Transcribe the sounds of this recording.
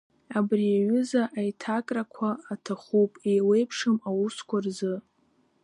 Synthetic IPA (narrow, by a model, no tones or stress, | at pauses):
abriaɥʊzaʔajtʰakʼrakʷʰaːtʰaχupʼejle̞jpʰʂɨmawuskʷʰarzɨ